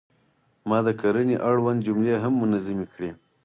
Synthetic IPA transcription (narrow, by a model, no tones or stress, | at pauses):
mɑd̪əkaɾəneʔaɽwand̪̚d͡ʒʊmleɦamːʊnazimikɽe